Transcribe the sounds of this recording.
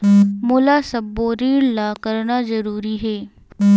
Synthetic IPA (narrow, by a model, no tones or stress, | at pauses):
mʊlaːsɐbːoːɾiːɾlakəɾnazəɾuːɾiɦeː